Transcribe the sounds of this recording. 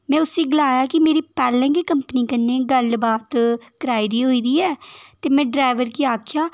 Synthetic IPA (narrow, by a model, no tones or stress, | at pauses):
mɛ̃ːʊseːɡɪlaːjaːkɪmeːɾiːpɛːlɛ̃ːɡiːkəmpəniːkənːeːɡəlbaːt̪kəɾaːiːd̪iːɦoːiːd̪iːɛːt̪eːmɛ̃ːɖɾaːɪʋəɾkiaːkʰjaː